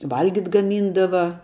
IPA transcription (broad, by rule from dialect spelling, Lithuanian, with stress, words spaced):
ˈʋɐlʲɡʲɪtʲ ɡɐˈmʲiːndɐʋɐ